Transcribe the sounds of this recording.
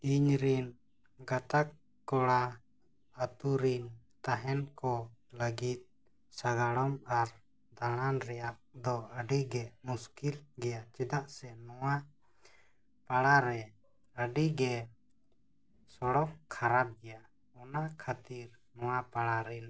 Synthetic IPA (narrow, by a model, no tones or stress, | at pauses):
iɲɾin | ɡat̪ak | kːɔɽaː | t̪uɾin | t̪aɦɛnkɔləɡit̪̚ | saɡaɽɔmaɾ | d̪aɽ̃anɾɛjaʔd̪ɔəɖiɡɛmuskilɡɛjat͡ʃɛd̪aʔsɛnɔwa | paɽaɾɛ | əɖiɡɛ | sɔɽɔʔkʰaɾap̚ɡɛja | ɔnakʰat̪iɾnɔwapaɽaɾɛn